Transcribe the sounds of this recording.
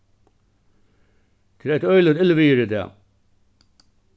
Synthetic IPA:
t̪ʰɪlæt̪œʏlʏt̪ɪlʋiːɾɪd̪ɛ̰ː

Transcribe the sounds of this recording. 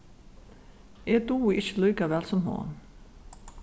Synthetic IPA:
ʔeːd̪uːɪçəlyːkəʋɛlsɔmho̰ːn

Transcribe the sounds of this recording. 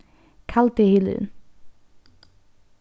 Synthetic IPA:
kʰalt̪ehɪlʉ̰n

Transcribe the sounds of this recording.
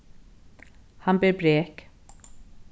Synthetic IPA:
hanbeːɾbɾeːk

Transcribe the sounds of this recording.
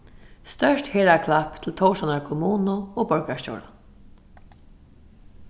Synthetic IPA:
st̪œʃtheːɾakʰlapt̪ʰɪlt̪ʰɔʊʃanaɹkʰʊmuːnʊoːbœɹkaʃt͡ɕo̰ːwɾa̰n

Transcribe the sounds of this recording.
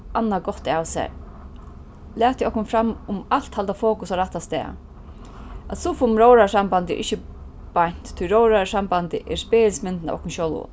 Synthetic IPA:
ʔanːaɡɔt̪ːawsɛ̰ | lɛːt̪jʔɔhkʊnfɾamːʊmal̥t̪halt̪afoːkʊsɔɾaht̪ːast̪ɛ̰ː | at̪sʊfʊmɾowɾasambant̪ɛ̰ʔɪçə | b̥ajɲ̥t̪t̪ʰːʊjɾowɾasambant̪ɪ̰ʔɛɾspeːɪlsmɪnt̪ɪna̰ʔɔ̰kʊnʃowlʊ̰

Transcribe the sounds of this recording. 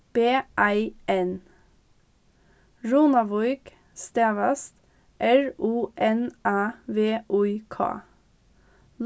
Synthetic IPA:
b̥eːʔæɪʔɛn | ɹuːnɑʋɔʏɡ | st̪eːʋɑst̪ | ʔæɹuːʔɛnʔæːʋeːʔʉʏkʰɑ̰ː

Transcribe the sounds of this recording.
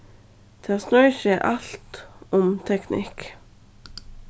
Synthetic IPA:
t̪ʰɑːsnœʏʃɛʔɑlt̪ɔmt̪ʰɛknɪ̰k

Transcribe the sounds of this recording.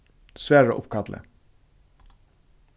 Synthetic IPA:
sʋæːo̰ːʔʊpkʰɑd̪lʔə̰

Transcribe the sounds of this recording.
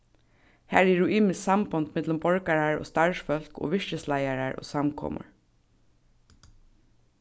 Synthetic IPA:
hæːɹɛɹʊʔiːmɪssambɔnt̪mɛt̪lʊmbɔɹkaɹaɹo̰ːst̪aɹʃfœl̥ko̰ːʋɪʃʃɪslajaɹaɹʔo̰ːsamkʰɔ̰ːmʊ̰ɹ

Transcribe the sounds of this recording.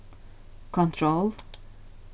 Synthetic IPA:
kʰɔ̃ntʰɹol

